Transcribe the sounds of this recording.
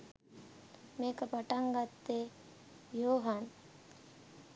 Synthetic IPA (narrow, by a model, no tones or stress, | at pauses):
meːkəpaʈaŋɡat̪ːe | joːɦan